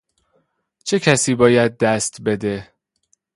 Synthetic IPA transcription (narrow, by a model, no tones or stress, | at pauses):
t͡ʃʰe̞cʰæsiːbɒːjæd̪̚ːæst̪be̞d̪e̞